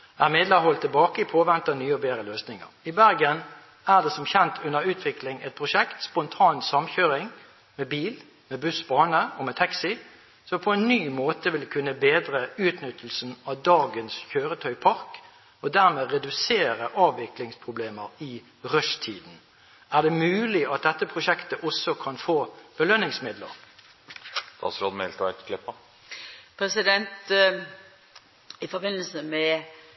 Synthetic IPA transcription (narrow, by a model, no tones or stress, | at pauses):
æʁmɛd̪ləhɔlt̪ʰːɪlbɑːkəpʰoːʋɛnt̪ɑnyːɔbeːʁəløːsnɪŋə̰ʁɪbæʁɡən | æʁd̪ɛsɔmçɛnt̪ʰʉnːəʁʉːt̪ʰʋɪklɪŋɛt̪̚pʰʁʊʂɛkt̪spɔnt̪ʰɑːnsɑmçøːʁɪŋ | mɛbiːl | mɛbʉsbɑːnəɔmɛt̪ʰɛksɪ | sɔmpʰɔɛnːyːmoːt̪əʋɪlkʰʉnːəbeːd̪ʁəʉːt̪nʏt̪ʰəl̩sn̩ɑʋd̪ɑːɡənsçøːʁət̪ʰœʏpʰɑʁk | ɔd̪æʁmeːʁɛd̪ʉseːʁəʔɑːʋʋɪklɪŋspʰʁʊbleːməʁɪ | ʁœʂt̪ʰiːd̪n̩ | æʁd̪ɛmʉːlɪɑt̪̚d̪ɛt̪ːəpʰʁʊʃɛkt̪əʔɔsːɔkʰɑnfoːb̥əlœnːɪŋsmɪd̪lə̰ʁ | d̪̥ɑ̰ːsɾoːd̪mɛlt̪əæk̪ə̥kʰlɪpːə | pʰɾɛsɪd̪ɛnt̪ | ɪfɔbɪnːəl̩səmɛ